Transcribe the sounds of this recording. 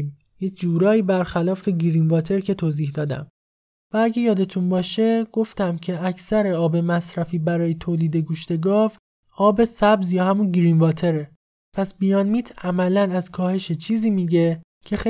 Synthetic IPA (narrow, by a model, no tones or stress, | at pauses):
m | jecʰd͡ʒuːɾɒːiːbæɾxælɒːfe̞ɟiɾinvɒːt̪ʰe̞ɾcʰe̞t̪ʰoːziːhd̪ɒːd̪æ̰m | vææɟe̞jɒːd̪e̞t̪ʰunbɒːʃe̞ɡ̥o̞ft̪æmcʰe̞æcʰsæɾe̞ɒːbe̞mæsɾæfiːbæɾɒːjet̪ʰoːliːd̪e̞ɡuːʃt̪e̞ɡɒːv | ɒːbe̞sæbzjɒːhæmunɡiɾinvɒːt̪ʰe̞ɾe | pʰæsbijɒnmiːt̪ʰæmælænæzkʰɒːhe̞ʃet͡ʃʰiːziːmiːɟe̞ | cʰe̞xe